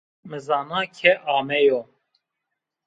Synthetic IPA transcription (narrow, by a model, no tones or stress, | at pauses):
mɨzɑːnɑːkʰɛʔɑːmɛjoː